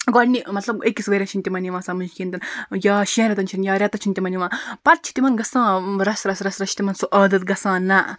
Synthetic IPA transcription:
ɡɔɽnimɐt̪lɐbekːisʋɐɾʲɐt͡ʃʰint̪ʲimɐniʋãːsamɨnkʲiːnt̪ɐnjaːʃiãɾɐt̪̬ɐnt͡ʃʰiɾinjaːɾʲat̪ɐt͡ʃʰint̪ʲimɐniʋãːpɐɾ̚t͡ʃʰi̥t̪ʲimɐnɡɐsãɾɐsɾɐsɾɐsɾɐt͡ʃʰi̥t̪imɐnsuʔɐːd̪ɐt̪̚ɡɐsãna

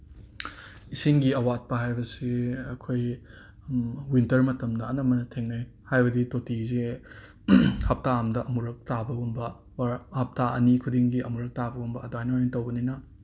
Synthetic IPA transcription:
isiŋɡiɐwat̚pɐɦajbɐsiɐkʰoj | wintɐɾmɐtɐmdɐɐnɐmɐnɐtʰeŋnɐj | hajbɐditotize | hɐp̚taamdɐʔɐmuɾɐk̚tabɐumbɐ | hɐp̚taɐ̰nikʰudiŋɡiɐmuɾɐk̚tabɐumbɐːdajnojintɐwbɐninɐ

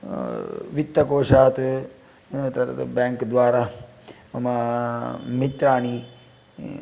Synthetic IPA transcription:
ʋit̪ːɐkoːʂaːt̪ | t̪ɐɾɐ̰t̪bɛŋkd̪ʋaːɾamɐma | mit̪ɾaːni

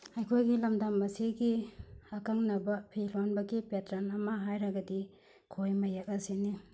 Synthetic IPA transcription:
ɐjkʰojɡilɐmdamːɐsiɡiɐkɐŋnɐbɐpʰilonbɐɡipetɾanɐmɐɦajɾɐɡɐdi | kʰojmɐjak̚ɐsini

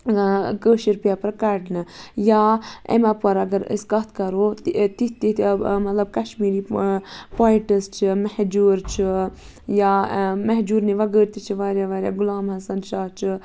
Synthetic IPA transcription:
kəːʃiɾpijaːpɐɾkɐɖnɨjaːḛmapɐɾɐɡɐɾə̰skɐt̪ʰkɐɾot̪it̪imɐt̪lɐb̚kɐʃmiːɾipaːiʈəst͡ʃʰimɐhd͡ʒuːɾt͡ʃʰɨ | jamɐɦd͡ʒuːɾneʋɐɡəːɾt̪it͡ʃʰiʋaːɾjaʋaːɾʲja̰ːɡulaːmhɐsɐnʃaːɦt͡ʃʰɨ

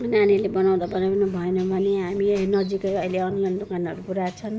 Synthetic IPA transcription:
nanilebʌnaw̃d̪abʌnanʌbʱʌenʌbʱʌneɦaminʌd͡zikʌjʌileʌnlʌnd̪okanʌɾupuɾat͡sʰʌn

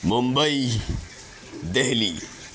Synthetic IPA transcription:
mumbɐi | d̪eɦli

